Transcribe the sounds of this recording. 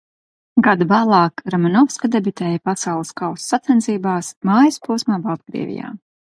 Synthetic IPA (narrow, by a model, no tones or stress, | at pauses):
ɡad̪ubaːlˠɑːkɾamanɔfskad̪ebit̪ɛːjapasawlˠəskawsːat̪sɛnsiːbaːsmaːjaspuːsmaːbab̚ɡɾḭɛ̰vʲḭja̰ː